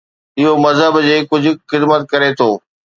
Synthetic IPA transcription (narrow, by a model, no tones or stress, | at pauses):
ɪɦomɐzɦəbd͡ʑeːkʊd͡ʑʱʊ̆xɪd̪mət̪̚kɐɾet̪ʰoː